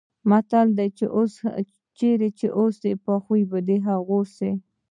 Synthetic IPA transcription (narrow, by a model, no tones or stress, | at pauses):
mat̪ald̪ajt͡ʃḛʔos | t͡ʃeɾet͡ʃeʔosd̪epaxujbəd̪eɦaɣose